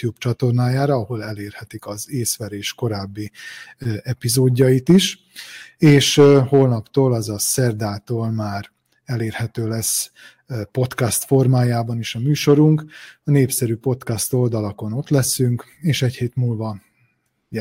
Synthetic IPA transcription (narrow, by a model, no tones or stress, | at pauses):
jubt͡ʃɒt̪o̞rnaːjaːɾɒɒho̞lɛleːrhɛt̪ikɒzeːsʋɛɾeːʃko̞ɾaːbːi | ɛpizoːɟːɒjit̪iʃ | eːʃhoːlnɒpt̪oːlɒzɒsɛrd̪aːt̪oːlmaːr | ɛleːrhɛt̪øːlɛs | po̞t̪kɒst̪fo̞rmaːjaːbɒniʃɒmyːʃo̞ɾuŋkɒneːpsɛɾypo̞t̪kɒst̪o̞ld̪ɒlɒko̞no̞t̪lɛsyŋk | eːʃɛcheːt̪muːlvɒ | j